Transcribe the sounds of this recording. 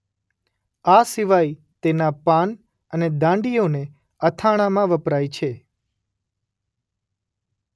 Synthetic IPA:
asiʋaj | t̪enapan | əned̪ãɳɖijone | ət̪ʰaɽ̃amãʋəpɾait͡ʃʰe

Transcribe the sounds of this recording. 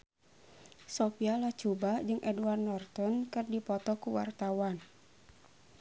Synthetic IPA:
sɔpialaht͡ʃubad͡ʒɨŋʔɛduwarnɔrt̪ɔnkɨrdipɔt̪ɔkuwa̰rt̪awan

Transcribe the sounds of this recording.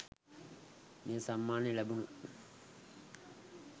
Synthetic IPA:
meːsamːaːnelæbunu

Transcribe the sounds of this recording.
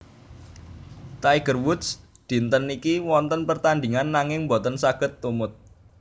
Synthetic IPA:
t̪aiɡ̥ərwud̪s | d̪̥i̤nt̪ənikiwɔnt̪ənpərt̪and̪iŋanːaŋɪŋmbɔt̪ənsaɡ̥ə̤t̪ːumʊt̪̚

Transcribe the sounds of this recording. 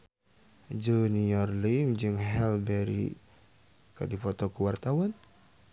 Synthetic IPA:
d͡ʒuniɔrlimd͡ʒɨŋɦɛlbɛɾḭ | kadifɔt̪ɔkuwart̪awan

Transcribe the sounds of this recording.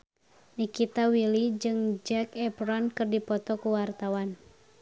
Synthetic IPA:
nikit̪awilid͡ʒɨŋd͡ʒakɛbɾɔnkɨrdipɔt̪ɔkuwart̪awan

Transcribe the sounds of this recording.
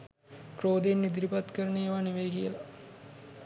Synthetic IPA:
kɾoːd̪enːid̪ɾipat̪kəɾəneːʋaneʋejkiəla

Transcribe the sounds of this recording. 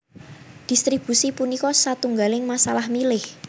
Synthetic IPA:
d̪̥ist̪ɾib̥ṳsipunikɔsat̪uŋɡalɪŋmasalahmilɪh

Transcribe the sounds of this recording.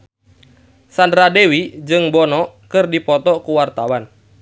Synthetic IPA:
sandɾadewid͡ʒɨŋbɔnɔ | kɨrdipɔt̪ɔkuwart̪awan

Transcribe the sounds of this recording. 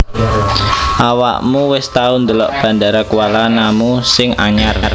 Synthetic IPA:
ʔawa̰ʔmuwɪst̪aʊnd̪əlɔ̰ʔb̥a̤nd̪aɾakuwalanamusɪŋa̰ɲarr

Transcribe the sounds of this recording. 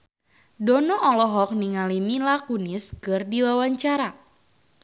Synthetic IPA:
dɔnɔʔɔlɔɦɔk̚niŋalimilakunɪskɨrdiwawaɲt͡ʃaɾa

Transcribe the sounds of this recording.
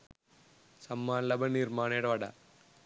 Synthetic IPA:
sɐmːaːnlɐbɐniɾmaːneːɽɐʋɐɽa̰

